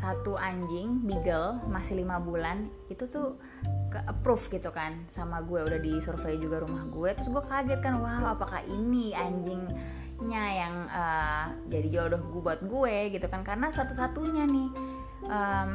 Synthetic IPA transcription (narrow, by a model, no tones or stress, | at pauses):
sat̪uʔaɲd͡ʒɪŋbiɡəlmasɪlimabulan | it̪ut̪u | əʔəpɾufɡit̪ukansamaɡuɛudahdisɔrfejd͡ʒuɡaɾumahɡuɛt̪ɾʊs̬ɡuɛkaɡɛt̪̚kanwaapaka̰ʔiniaɲd͡ʒɪŋ | ɲajaŋəː | d͡ʒadid͡ʒuadɔhɡubaat̪̚ɡueɡit̪ukankarənasat̪usat̪uɲanɪh | ʔəm